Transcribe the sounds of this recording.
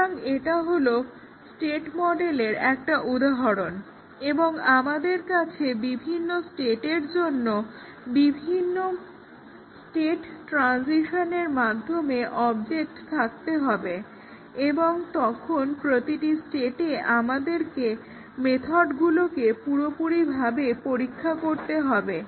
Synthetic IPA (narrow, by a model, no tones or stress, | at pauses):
ŋeʈaɦolo | sʈeʈmɔɖeleɾɛk̚ʈaʔud̪aɦoɾon | eboŋamad̪eɾkat͡ɕʰebibʱinːosʈeʈeɾd͡ʑonːo | bibʱinːo | sʈeʈʈːɾansiʃoneɾmad̪ʱːomeʔɔbd͡ʑek̚ʈt̪ʰak̚t̪eɦɔbe | eboŋt̪ɔkʰonpɾot̪iʈisʈeʈeʔamad̪eɾke | met̪ʰoɖɡulokepuɾopuɾibʱabepoɾikʰːakoɾt̪eɦɔbe